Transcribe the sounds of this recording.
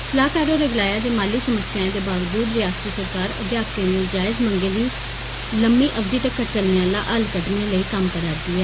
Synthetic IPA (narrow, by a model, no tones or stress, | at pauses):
slaːkɛːɾoːɾeːɡɪlaːjaːd̪eːmaːliːsəməsːjãːd̪eːbaːʋd͡ʒuːd̪ɾɪjaːst̪iːsəɾkaːɾə̰d̪jaːkẽːnẽːd͡ʒaːɪzməŋɡeːd̪iː | ləmiːʔəbd̪iːt̪əkːəɾt͡ʃəlneãːla̰ːʔəlkəʈneːləiːkəmkəɾaːd̪iːɛː